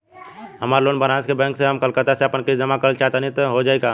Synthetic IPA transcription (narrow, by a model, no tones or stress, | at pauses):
ɦəmaːɾloːnbənãːskebɛ̃ːŋkseɦəmkəlkət̪aseəpənkisd͡ʒəmakəɾəlt͡ʃat̪ənit̪ɦod͡ʒaːeɡa